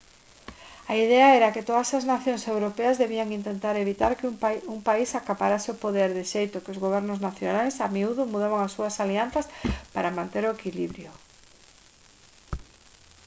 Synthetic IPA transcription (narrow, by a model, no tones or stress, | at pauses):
aiðeaɛɾakɪt̪oðɐsaznaθjoŋsewɾopeazðeβiaŋint̪ent̪aɾeβit̪aɾkuŋpaisakapaɾasɪʊpoðeɾðɪʃejt̪ʊkɪozɣoβ̞ɛɾnʊznaθjonajsamiuðʊmuðaβaŋasːuɐsalian̟θɐspaɾamãnt̪eɾoekiliβɾjʊ